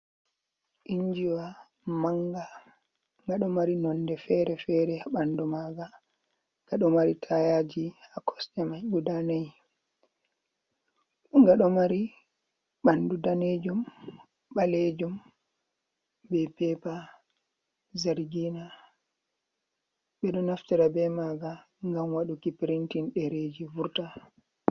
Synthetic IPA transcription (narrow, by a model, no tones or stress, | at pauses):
ʔiɲd͡ʒiwa | maŋɡa | ŋɡaɗɔmaɾinɔndɛfɛɾɛfɛɾɛaɓandumaːɡa | ŋɡ̥aɗɔmaɾitʰajad͡ʒihakʰɔ̥sɗɛmabudanaj | ŋɡaɗɔmaɾi | ɓandudaned͡ʒum | ɓaled͡ʒum | bɛpɛpa | zaɾɡina | ɓɛɗɔnaftiɾabɛmaɡa | ŋɡamwaɗukipiɾintinɗɛɾed͡ʒivuɾta